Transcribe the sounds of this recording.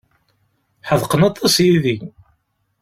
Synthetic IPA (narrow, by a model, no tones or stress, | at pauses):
ħəðˤqənɑt̪ˤːɑsjiði